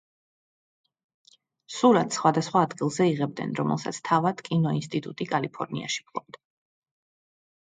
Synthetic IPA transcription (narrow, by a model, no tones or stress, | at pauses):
suɾat̪ʰsχwad̪asχwaːd̪ɡilˠzɛiʁɛb̚d̪nɛ̰nɾɔmɛ̰lˠsa̰t̪sʰt̪ʰavad̪̥kʼinɔinst̪ʼit̪ʼut̪ʼikʼalipʰɔɾnḭa̰ʃi̥pʰlˠɔ̰b̚d̪a